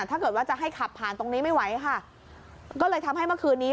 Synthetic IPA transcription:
t̪ʰaː˥˩kɤː˨˩t̪̚waː˥˩t͡ɕa˨˩ʔɦa˥˩jkʰa˨˩pʰːaː˨˩nt̪o˧ŋniː˦˥ma˥˩jwa˦˥jkʰa˥˩ | kɔː˥˩lɤː˧jt̪ʰa˧mɦa˥˩jmɯ˥˩əkʰɯː˧nːiː˦˥

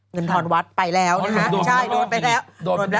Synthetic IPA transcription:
ŋɤ˧nt̪ʰɔː˧nwa˦˥t̪̚pa˧jlɛː˦˥wt͡ɕʰa˥˩jdoː˧npa˧jlɛː˦˥woː˧˦

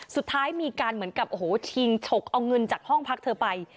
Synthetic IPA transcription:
su˨˩t̪ʰːaː˦˥jmiː˧kaː˧nmɯ˩˦ənka˨˩p̚ʔo˧˩hoː˩˦t͡ɕʰi˧ŋt͡ɕʰo˨˩k̚ʔa˧wŋɤ˧nt͡ɕaː˨˩k̚hɔ˥˩ŋpʰa˦˥k̚t̪ʰɤː˧pa˧j

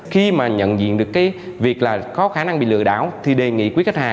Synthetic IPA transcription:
xi˧maː˨˩ɲə̰˧˨nzḭ˧˨ənɗɨ˨˩ək̚ːaː˨˦jvi˨˩ək̚laː˨˩kɔ˨˦xaː˧˩na˧ŋɓḭ˧˨lɨ̰˧˨əɗa̰ː˧˩˨wt̪ʰi˨˩ɗe˨˩ŋḭ˧˨kwka˦˥t̚haː˨˩

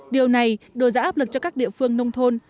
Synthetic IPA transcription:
ɗi˨˩əwna˨˩jɗo˨˩jza̰ː˧˥ʔaː˦˥p̚lɨ˨˩k̚t͡ɕɔ˧kaː˦˥k̚ɗḭ˧˨əfɨ˧əŋnə˧wŋ͡mt̪ʰo˧n

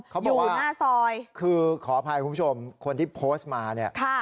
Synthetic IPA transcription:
a˦˥bɔːuː˨kwaː˩˦˥naː˥˩sɔː˧jkʰɯː˧kʰɔː˩˦˩pʰa˧jkʰu˧˦bʰu˥˩t͡ɕʰo˧mkʰo˧nt̪ʰiː˥˩pʰoː˦˥st̪maː˧ni˥˩ɐʔkʰa˥˩

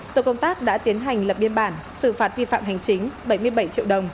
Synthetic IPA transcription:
t̪o˧˨˩kə˧wŋ͡mt̪aː˦˥k̚ɗa̰ː˧˥t̪i˨˦ənɦa˨˩jŋ̟lə˨˩p̚ɓi˧ənɓaː˧˩nsɨ˧˩faː˨˦˥t̚vḭ˧fa̰ː˧˨mɦa˨˩jŋ̟t͡ɕï˨˦ŋ̟ɓə˧˩jmɨ˧əjɓə˧˩jt͡ɕḭ˧˨wɗə˨˩wŋ͡m

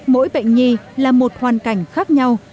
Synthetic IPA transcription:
mo̰˧˥jɓə̰˧˨jŋ̟ɲi˧laː˨˩mo˨˩t̚hwaː˨˩nka˧˩jŋ̟xaː˦˥k̚ɲa˧w

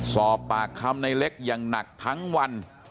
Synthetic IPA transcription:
sɔː˨˩pːaː˨˩kʰːa˧mna˧jle˦˥k̚jaː˨˩ŋna˨˩k̚t̪ʰa˦˥ŋwa˧n

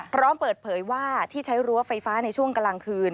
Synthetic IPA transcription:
pʰɾɔː˦˥mpɤː˨˩t̪̚pʰɤː˩˦jwaː˥˩t̪ʰiː˥˩t͡ɕʰa˦˥jɾu˧˦˥ɐfa˧jfaː˦˥na˧jt͡ɕʰu˥˩əŋka˧la˧ŋkʰɯː˧n

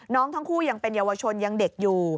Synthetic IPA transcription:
nɔː˦˥ŋt̪ʰa˦˥ŋkʰuː˥˩ja˧ŋpe˧njaː˧wa˧t͡ɕʰo˧nja˧ŋde˨˩k̚juː˨˩

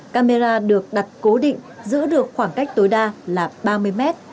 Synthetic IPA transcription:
kaː˧me˧zaː˧ɗɨ˨˩ək̚ɗa˨˩t̚ko˨˦ɗḭ˧˨ŋ̟zɨ̰˧˥ɗɨ˨˩ək̚xwaː˧˩ŋka˦˥jk̟̚t̪o˨˦jɗaː˧laː˨˩ɓaː˧mɨ˧əjmɛ˦˥t̚

